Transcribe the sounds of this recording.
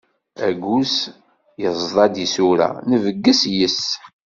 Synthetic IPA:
æɡus | jəzˤðˤɑd̪isuɾæ̰nəvəɡːəsjəs

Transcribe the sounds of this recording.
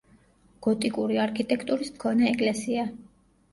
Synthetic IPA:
ɡ̥ɔt̪ʼikʼuɾiaɾkʰit̪ʼɛkʰt̪ʼuɾismkʰɔnɛːkʼlɛsia

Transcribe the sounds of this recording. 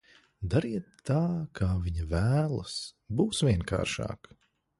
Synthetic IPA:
d̪aɾiɛt̪ːaːkʰaːviɲɐvæːlˠɐ̰sbuːsʋʲiɛŋkʰa̰ːɾʃɑ̰ːk

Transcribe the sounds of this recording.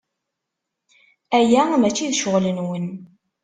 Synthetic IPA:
æjæmæt͡ʃːiðʃʊʁlənwən

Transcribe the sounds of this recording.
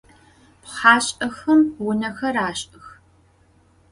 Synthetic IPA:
pχaːɕʼɐxɐmwʊnɐxɐraːɕʼɨx

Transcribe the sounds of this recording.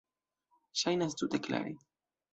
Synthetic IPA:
ʃajnast̪ud̪ekla̰ɾi

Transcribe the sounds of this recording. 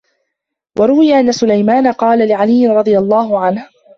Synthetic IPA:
wʔɑɾˤʊwɪjaʔanːasʊlajmaːnaqɑːlalɪʕalɪjːɪnɾˤɑd̪ˤɨjalˤːɑːɦʊʕanh

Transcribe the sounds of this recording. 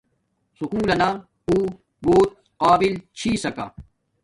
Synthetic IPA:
sukuːlɐna | uː | boːt̪̚ | qaːbilt͡ɕʰiːsɐka̰ː

